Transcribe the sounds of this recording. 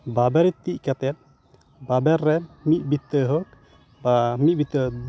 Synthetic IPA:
babɛɾɛt̪iʔkat̪ɛt̪̚ | babɛɾːɛmit̪̚bit̪əɦɔk̚ | bamit̪̚bit̪ə

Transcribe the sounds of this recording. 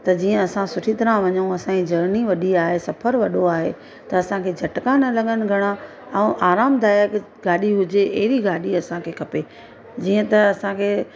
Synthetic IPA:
t̪ɐd͡ʑiːə̃ɐsãsʊʈʰit̪ɐɾãʋɐɲũɐsãid͡ʑɐɾniʋɐɗiaːɦesɐpʰəɾʋɐɗoaːɦḛ | t̪ɐɐsãkʰeːd͡ʑʱɐʈkaːnəlɐɠənɪ̆ɡʱɐɽ̃a | ɛ̃ʔaːɾaːmd̪ʱaːjək | ɡaːɗiɦʊd͡ʑeeɦɪɾiɡaːɗiɐsãkʰeːkʰɐpeː | d͡ʑiːə̃t̪ɐɐsãkʰeː

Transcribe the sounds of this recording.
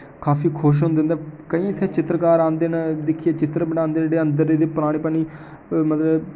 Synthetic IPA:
kaːfʰiːkʰʊʃ̬ɦʊ̃nd̪ɪ̃nd̪aːkəĩːɪt̪ʰːeːt͡ʃɪt̪ɾəkaːɾãːnd̪eːnad̪ɪkʰːiːeːt͡ʃɪt̪ɾbənãːnd̪eːɽeːə̃nd̪əɾeːd̪eːpəɾaːɽ̃iːpaːniː | mət̪lə

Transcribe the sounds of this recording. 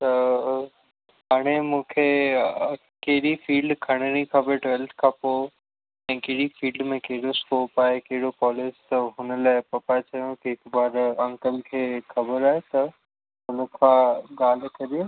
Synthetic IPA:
t̪ɐ | ɦaːɽ̃emũːkʰe | kɐɦɪɗifiːlɖkʰɐɽ̃əñĩkʰabəʈɔlʈkʰãːpoː | ɛ̃ːkɐɦɪɽifiːlɖmẽkɐɦɪɽoskoːpaːɦekɐɦɪɽokɔːleːst̪ɐɦʊnəlaːɪpɐpaːet͡ɕɐjõkiɦɪkbaːɾɐ̃ŋkəlkʰeːxɐbəɾaːɦet̪ɐ | ɦʊnəkʰãːɡaːl̤kɐɾijo

